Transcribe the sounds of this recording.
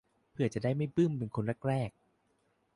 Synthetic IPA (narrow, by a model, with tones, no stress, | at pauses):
pʰɯ˧˩ɐt͡ɕa˨˩daː˥˩jma˥˩jpɯ˥˩˨mpe˧nkʰo˧nɾɛ˦˥k̚ɾɛː˥˩k̚